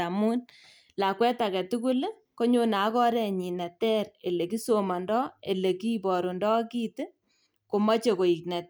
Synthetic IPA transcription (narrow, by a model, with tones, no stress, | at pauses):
a˨mu˦n | la˨kwɛ˦ta˨kɛ˨tu˦ku˦l | ko˦ɲo˦na˨˦kɔ˦ɾɛ˦ɲi˨nɛ˨tɛ˦ɾe˨le˨ki˦so˨ma˨ndɔ˦e˨le˨ki˦pɔ˨ɾu˨ndɔ˦ki˦ti˦ | ko˨mɔ˦t͡ʃe˨ko˨i˨knɛ˨t